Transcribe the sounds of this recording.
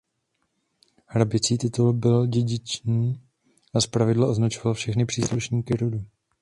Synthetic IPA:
hɾabɪt͡siːt̪ɪt̪ulbɪlɟɛɟɪt͡ʃniː | ʔaspɾavɪdlaʔo̞znat͡ʃovalfʃɛxnɪpr̥iːsluʃɲiːkɪɾodu

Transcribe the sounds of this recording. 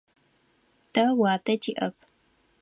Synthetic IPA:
tʰɐwaːtʰɐtʰiʔɐp̚ʰ

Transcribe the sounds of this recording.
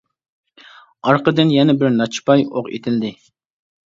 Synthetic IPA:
ɑɾqəd̪ɨnjɛnɛbɪɾnɑt͡ʃʰpɑjoqḛt̪ʰɪld̪ɪ

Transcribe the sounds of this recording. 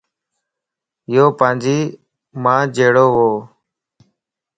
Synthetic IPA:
joːpãːnd͡ʒiː | mãːd͡ʒeːɽoːɦoː

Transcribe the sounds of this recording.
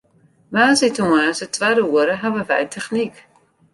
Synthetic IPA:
maːzitumaːsətvaːdəuəɾəɦavəvɛ̰jtʰɛχnik

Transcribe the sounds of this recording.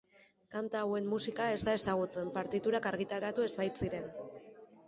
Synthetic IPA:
kant̪aːwe̞mːusikae̞zt̪ae̞saɣ̞ut͡se̞mpaɾt̪it̪uɾakaɾɣit̪aɾat̪ue̞zβaj̪t͡siɾe̞n

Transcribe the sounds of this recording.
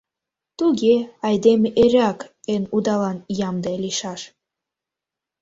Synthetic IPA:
t̪uɡʲeɑjd̪emʲeʔeɾʲɑkenud̪ɑlˠɑnjɑmd̪ɑelʲiʃɑʃ

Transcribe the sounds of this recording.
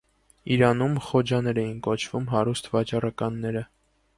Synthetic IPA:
iɾɑnumχɔd͡ʒɑnɛɾɛjinkɔt͡ʃʰvumɦɑɾust̪ʰvɑt͡ʃɑrɑkɑnːɛɾə

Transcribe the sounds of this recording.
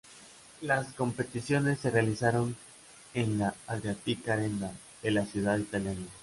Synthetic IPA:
lasko̞mpe̞t̪isjo̞ne̞sːe̞realisaɾo̞n | e̞nlaaðɾjat̪ikaɾend̪a | ðe̞lasjuðaðit̪aljana

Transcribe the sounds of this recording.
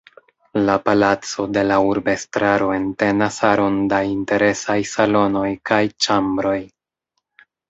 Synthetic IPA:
lapalat͡so̞de̞lauɾbe̞stɾaɾo̞e̞nte̞nasaɾo̞ndainte̞ɾe̞sajsalo̞no̞jkajt͡ʃambɾo̞j

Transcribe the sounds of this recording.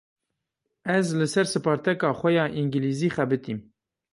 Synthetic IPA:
ɛzlɨsɛɾsɨpɑːɾt̪ɛkɑːxʷɛjɑːʔiŋɡɨliːziːxɛbɨt̪iːm

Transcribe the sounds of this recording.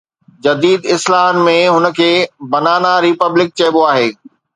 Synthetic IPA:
d͡ʑɐd̪iːd̪ɪslaːɦənmẽɦʊnə̆kʰeːbɐnaːnaɾipəblɪk̚t͡ɕɐːboaːɦeː

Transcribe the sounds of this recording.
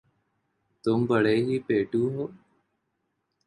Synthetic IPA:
t̪ʊmbəɽeːɦiːpeːʈuːɦoː

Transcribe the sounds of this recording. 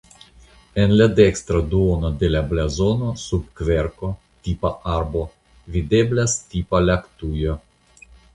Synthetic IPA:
enlad̪ekst̪ɾad̪uonod̪e̞lablazonosubkveɾko̞ | t̪ipaʔaɾbo | vid̪eblast̪ipalakt̪ujo

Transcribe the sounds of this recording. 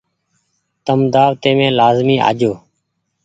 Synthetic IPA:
t̪əmd̪aːʋt̪ẽːmẽːlaːzmĩːʔa̰ːd͡ʒoː

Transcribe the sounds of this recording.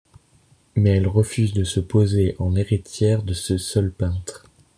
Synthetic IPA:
mɛɛlʁəfyzd̪əsəpozeʔɑ̃neʁit̪jɛʁd̪əsəsœlpɛ̃t̪χ

